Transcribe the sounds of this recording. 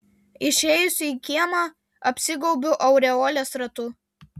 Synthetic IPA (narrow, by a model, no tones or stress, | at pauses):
ɪʃʲɛːjʊsʲʊiːkʲiɛmɑː | ɐpʲsʲɪɡɔʊbʲʊʔɐʊɾʲɛɔːlʲɛsɾɐt̪u